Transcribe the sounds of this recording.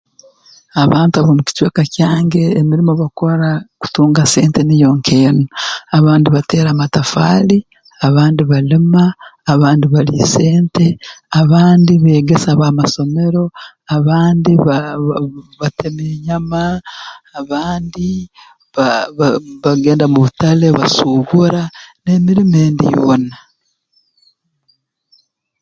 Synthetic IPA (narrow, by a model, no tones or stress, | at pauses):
aβaːntaβomuci̥cwe̞ːkacaːŋɡe̞ːmiɾimo̞βako̞ɾaku̥tuːŋɡase̞ːntenijo̞ːŋkʰeːnoaβaːndiβate̞ːɾamatafa̰ːli | aβaːndiβalimaːβaːndiβalise̞ːnte̞aβaːndiβe̞ːɡe̞saβaːmaso̞me̞ɾo̞ | aβaːndiβ | βatemeɲamaː | βaːndi | βaβaβaɡe̞ːndamuβutaleβa̰suβuɾane̞ːmiɾimeːndḭβona